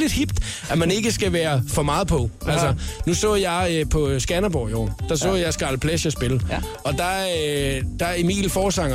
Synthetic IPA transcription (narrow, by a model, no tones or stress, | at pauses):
le̝d̥hib̥d̥ | æmæne̝ɡ̥əsɡ̥æʋæːɐfɒ̽mɑ̈ːð̞̩ˠpʰɒ̽ʔælsɐnusɔ̰ːðˠjɑ̈ɪpʰɒ̽sɡ̥ænɐbɒ̰ːiɒ̰ːd̥ɑ̈s̬ɔ̰ːjɑ̈ɪsɡ̥ɑ̈ləpʰlæɕæsb̥el | ɒ̽d̥ɑ̈ød̥ɑ̈imḭːlfɒːsɑ̈ŋɐ